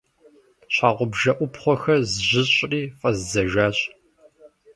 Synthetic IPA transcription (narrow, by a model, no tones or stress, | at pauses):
ɕʰʼaːʁʷʊbʒɐʔʷʊpχʷɔxɐrzʑɪɕʼriːfʼɐzzɐʒaːɕʼ